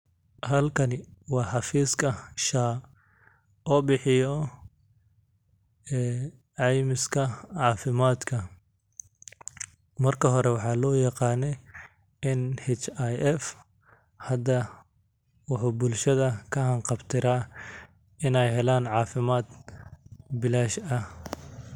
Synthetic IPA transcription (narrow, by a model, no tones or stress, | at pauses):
hɐlkʰɐnɪwɑːħɑfiːskʰɐʃaː | ɔːbɪħɪjɔ | ɛː | ʕɑjmɪskʰɐʕɑːfɪmaːd̪kʰɐ | mɐrkʰɐɦɔɾɛwɑħɑːlɔːjɑqɑːnɛ | ɪnhɛt͡ʃajʔɛf | hɐd̪ɐ | wɑħuːbʊlʃɐðɐkʰɐhɐɴqɑbt̪ʰɪɾaː | ɪnɛjɦɛlaːnʕɑːfɪmaːd̪ | bɪlaːʃɐ